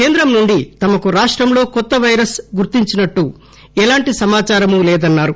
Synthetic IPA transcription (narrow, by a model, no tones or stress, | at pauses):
ke̞ːnd̪ɾɐmnuɳɖit̪ɐmɐkuɾaːʂʈɾɐmlo̞ːkɔt̪ːɐʋɐjɾɐsɡuɾt̪iɲt͡ʃinɐʈːu | ɛlaːɳʈisɐmaːt͡ʃaːɾɐmulɛːd̪ɐnːaːɾu